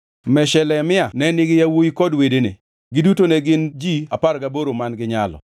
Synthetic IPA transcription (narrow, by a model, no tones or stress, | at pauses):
mɛʃɛlɛmɪanɛnɪɡɪjawoikɔdwedenḛ | ɡɪdutonɛɡɪnd͡ʒiapaɾɡaboɾomanɡɪɲalɔ̰